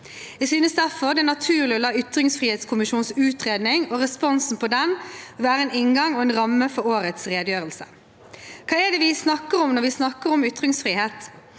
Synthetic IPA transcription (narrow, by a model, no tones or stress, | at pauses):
æsyːnəsd̪æfɔʁd̪ɛnɑt̪ʰʉːʁlɪɔlɑːʏt̪ɾɪŋsfʁiːheːt̪skʰʊmɪʃuːnsʉːt̪ʁeːd̪nɪŋɔʁɛspɔnsn̩pʰɔd̪ɛnɔʋæːɾəɛnɪnɡɑŋɔɛːnʁɑmːəfɔɾoːɾət̪sʁeːd̪əjøːɾəlsə̥ | kʰɑːɛd̪ɛʋɪsnɑkːəɾɔmnɔʁʋɪsnɑkːəɾɔmʏt̪ɾɪŋsfʁiːheːt̪